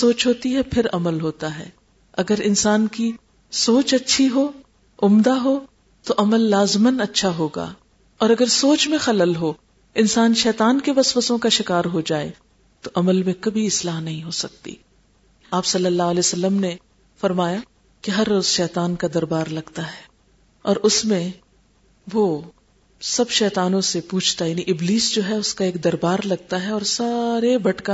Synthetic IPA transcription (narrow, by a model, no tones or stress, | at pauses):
soːt͡ʃɦoːt̪iɦɛpʰɪɾɐməlɦoːt̪aɦɛ̰ː | ɐɡəɾɪnsaːnki | soːt͡ʃɐtːʃʰiɦoː | ʊmd̪aɦoː | t̪oʔɐməlːaːzmənɐtːʃʰaɦoːɡa̰ː | ɔːɾɐɡəɾsoːt͡ʃmẽxɐləlɦoː | ɪnsaːnʃɛːt̪aːnkeʋɐsʋəsõkaʃɪkaːɾɦod͡ʒaːḛ | t̪oʔɐməlmẽkɐbʱiɪslaːɦnɐɦĩɦoːsɐk̚t̪ḭ | aːpsɐlːəlːaːɦɐlɛːjosɐlːəmne | fɐɾmaːja | keɦɐɾːoːz̥ʃɛːt̪aːnkad̪ɐɾbaːɾlɐɡt̪aɦɛː | ɔːɾʔʊsmẽ | ʋo | sɐbʃɛːt̪aːnõsepuːt͡ʃʰt̪ajaːniʔɪbliːsd͡ʒoːɦɛʊskaeːkd̪ɐɾbaːɾlɐɡ̚t̪aɦɛɔːɾsaːɾebɐʈka